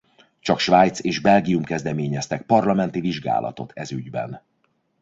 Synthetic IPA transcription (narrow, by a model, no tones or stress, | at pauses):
t͡ʃɒkʃvaːjt̪seːʒbɛlɡiumkɛzd̪ɛmeːɲɛst̪ɛk̚pɒrlɒmɛn̪t̪iviʒɡa̰ːlʔɒ̰t̪o̞t̪ʰɛzyɟbɛ̰n